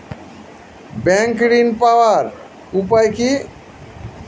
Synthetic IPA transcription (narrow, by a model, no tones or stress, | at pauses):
bɛŋkɽinpawaɾ | up̬ajki